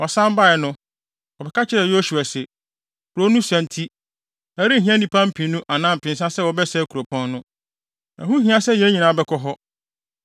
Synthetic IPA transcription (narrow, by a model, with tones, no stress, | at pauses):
wɔ˨sã˦m˦ba˦ɛ˨nʊ̃˦ | wɔ˨bɛ˨kʰa˦t͡ɕʰɪ˦ɾɛ˨jo˦su˨a˨sɛ˨ | ɾo˦nũ˦sæ̃˨n˦tʰi˦ | æ˨ɾi˦˨ɦĩ˦ɛ˦nĩ˨pʰã˦m̩˦pʰĩ˨nũ˦ʔa˨nã˦˨m̩˨pʰɪ̃˨n˦s̬a˦sɛ˦wɔ˨bɛ˦sɛ˦kʰu˨ɾo˨pʰɔ̃˦nːʊ̃˦ | æ̰˨ɦũ˦ɦĩ˦a˨sɛ˦jɛ˦ɲĩ˨nã˨bɛ˦kʰɔ˦ɦɔ˦